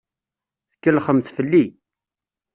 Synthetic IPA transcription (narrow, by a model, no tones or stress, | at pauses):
θəkːəlχəmθfəlːi